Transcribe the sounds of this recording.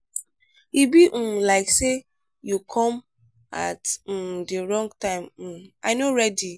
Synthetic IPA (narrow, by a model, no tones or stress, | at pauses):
ibiʔ̩laɪkse | jukʰɔ̃m | a̰t̩deɾɔ̃ŋɡtãɪm̩aɪnoɾɛdi